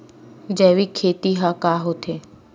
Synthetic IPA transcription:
d͡ʒɛːʋikʰeːt̪iɦakaːɦot̪ʰeː

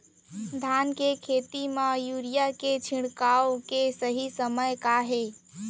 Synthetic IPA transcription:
d̪ʱankekʰet̪imãjuɾijaket͡ʃʰiɽkawkesəɦisəməjkaɦe

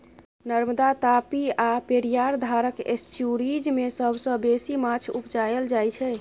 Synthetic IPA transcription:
nəɾməd̪at̪apiapeɾijaɾd̪ʱaɾəkḛsʈjuɾid͡ʒmesəbʱsə̃besimat͡ʃʰupd͡ʒajəld͡ʒajt͡ʃʰɛ

